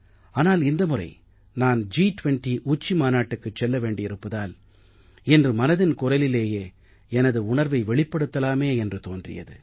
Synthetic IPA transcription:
aːnaːlɪnd̪ɐmɯrɐ̰ɪ | naːnd͡ʒiːʈʊʋɛɳʈiʔuːt͡ʃːimaːnaːʈːɯkːɯt͡ʃːɛlːɐʋeːɳɖɪɪɾɯpːɐðaːl | ɛndrɯmɐnɐðɪnkʊrɐlɪleːjeː | ɛnɐðɯʊɳɐɾʋɐɪʋɛɭɪpːɐɽɯt̪ːɐlaːmeːɛndrɯt̪oːndrɪ̰jɐ̰ðɯ̰

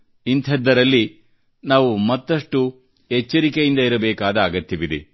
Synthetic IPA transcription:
int̪ʰɛd̪ːɐɾɐlːi | naːʋumɐt̪ːɐʂʈu | ɦet͡ʃːɐɾikejind̪ɐiɾɐbɛːkaːd̪ɐaːɡɐt̪jɐʋid̪i

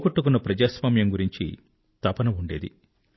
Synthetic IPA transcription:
kuʈːukunːɐpɾɐd͡ʒaːsʋaːmjɐmɡuɾiɲt͡ʃḭ | t̪ɐpɐnɐuɳɖe̞ːd̪ḭ

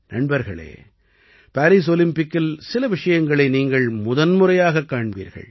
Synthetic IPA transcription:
nɐɳbɐɾɣɐ̰ɭḛː | paːɾiːs̬ɔlɪmpɪkːɪlsɪlɐʋɪʂɐjɐŋɡɐɭɐɪniːŋɡɐɭmʊðɐnmʊrɐjaːɣɐkːaːɳʋḭːɾɣɐ̰ɭ

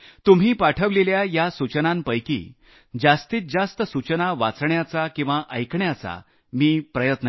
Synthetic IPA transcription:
t̪um̤iːpaʈʰəʋleljajasut͡ɕənampəjkḭː | d͡zast̪iːt̪̚d͡zast̪əsut͡ɕənaʋat͡sɳjat͡sakĩw̃ʋaʔəjkɳjat͡sa̰ | miːpɾəjət̪nə

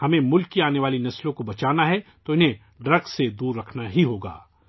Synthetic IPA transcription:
hɐmẽmʊlkiaːneʋaːlinɐslõkobɐt͡ʃaːnaɦɛt̪oɪnɦẽ | ɖɾɐɡsed̪uːɾːɐkʰnaɦiɦoːɡa̰ː

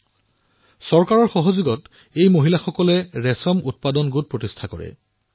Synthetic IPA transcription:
sɔɹkaɹɔɹxɔɦozuɡɔt | ejmoɦilaxɔkɔlɛɹɛsɔmut̚padɔnɡut̚pɹotistʰakɔ̰ɹɛ̰

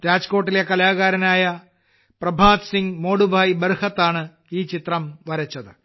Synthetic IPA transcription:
ɾaːd͡ʑko̞ːʈːile̞kɐlaːɣaːɾɐnaːjɐ | prɐbʱaːd̪siŋɡmo̞ːɽubʱaːjbɐrhɐt̪ːaːɳɨ | iːt͡ɕit̪rɐmʋɐɾɐt͡ɕːɐðɨ

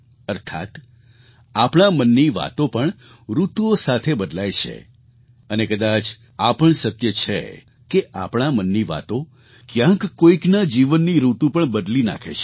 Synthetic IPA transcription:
əɾt̪ʰa̰t̪ | apɳ̃amənːiʋa̰t̪opəɳ | ɾut̪uosat̪ʰebəd̪lajt͡ʃʰḛ | ənekəd̪at͡ʃ | apəɳsəkjət͡ʃʰḛ | keʔapɳ̃amənːiʋa̰t̪o | kjãkːoiknad͡ʒiʋənːiɾut̪ũpəɳbəd̪lina̰kʰḛt͡ʃʰ

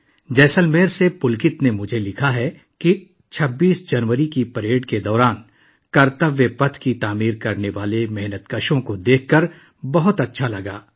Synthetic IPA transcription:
d͡ʒɛːsəlmeːɾsepʊlkɪt̪nemʊd͡ʒʱelɪkʰaɦɛ | ki | t͡ʃʰɐbːiːsd͡ʒɐnʋəɾikipɐɾeːɖked̪ɔːɾaːn | kɐɾt̪əʋjəpɐt̪ʰkit̪aːmiːɾkɐɾneʋaːlemɛɦnət̪kəʃõkod̪eːkʰːɐɾ | bɐɦʊt̪ɐtːʃʰalɐɡaː

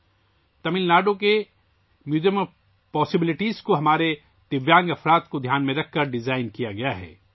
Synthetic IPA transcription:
t̪ɐmɪlnaːɖoke | mjuːzijəm | pɔːsɪbɪlɪʈiːzkoɦɐmaːɾe | t̪ɪʋjãːŋɡɐfɾaːt̪kod̪ʱjaːnmẽɾɐk̚ʰːɐɾɖɪzaːɪnkijaɡɐjaɦɛ̰ː

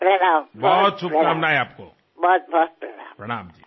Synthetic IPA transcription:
pɾɐɽaːmbɔɔɦt̪̚t͡ʃʰʊpnaːmnaːɦɛaːpko̰ | bɔːt̪̚bɔːt̪̚pɾɐɽa̰ːmpɾɐɽ̃aːmd͡ʒḭː

